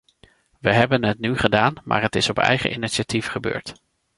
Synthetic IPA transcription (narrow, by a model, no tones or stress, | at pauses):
ʋəɦɛbənɦətnyχədaːnma̰ːɹətɪsɔpɛ̰jχə̰ʔiniʃatifχəbø̰ːɹt